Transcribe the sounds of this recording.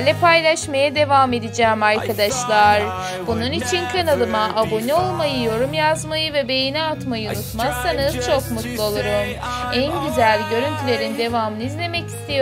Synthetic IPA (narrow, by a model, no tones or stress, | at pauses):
lʲɛpʰajlˠaʃmajad̪e̞vame̞d̪id͡ʒɛːmaɾkʰad̪aʃlˠaɾ̥ | bununit͡ʃʰinkʰanalˠɯmaʔabo̞nio̞lˠmajɯjo̞ɾumjazmajɯvɛbe̞jinɛat̪majɯunut̪mazsanɯz̥t͡ʃʰo̞kmut̪lˠuolˠuɾum | ænɟyzælʲɟø̞ɾynt̪ʰylʲe̞ɾind̪e̞vamɯnɯizlʲe̞mɛci̥st̪ʰijo